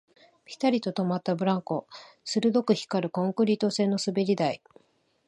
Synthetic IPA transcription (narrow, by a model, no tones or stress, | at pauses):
pʲi̥t̪aɾʲit̪ot̪o̞mat̪ːabɯ̟ɾãŋko̞ | sɨɾɯ̟d̪o̞kɯ̟çi̥kaɾɯ̟kõ̞ŋkɯ̟ɾʲit̪o̞se̞ːnːo̞sɨbe̞ɾʲid̪ai